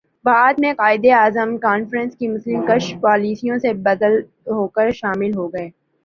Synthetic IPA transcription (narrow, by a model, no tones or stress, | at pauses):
baːd̪mẽqaːɪd̪eaːzəmkaːnfɾə̃nskimʊslɪmkɐʃpaːliːsijõsebɐd̪əl | ɦoːkəɾʃaːmɪlɦoːɡɐeː